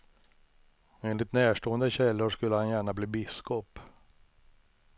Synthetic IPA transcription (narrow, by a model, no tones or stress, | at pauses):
eːnlɪt̪næːʂʈoːənd̪əɕɛlːʊʂkɵlːəhanjæːɳabliːbɪskɔp